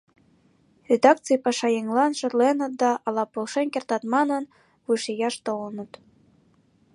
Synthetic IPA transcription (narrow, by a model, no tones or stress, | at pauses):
rʲed̪ɑkt͡sɨjpɑʃɑjeŋlɑnʃɤ̆rlenə̆t̪̚d̪ɑʔɑlɑpolʃenkʲert̪ɑt̪mɑnɤ̆n | βuʃejɑʃt̪olɤnə̆t̪